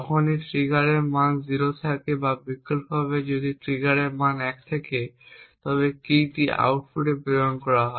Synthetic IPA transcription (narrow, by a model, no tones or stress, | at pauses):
ɔkʰoniʈɾiɡaɾeɾmanziɾot̪ʰakebabikːulpɦaβed͡ʑod̪iʈɾiɡaɾeɾmanɛk̚t̪ʰeket̪ɔβekiʈiʔa̰wʈfuʈeboonkɔɾaɦɔe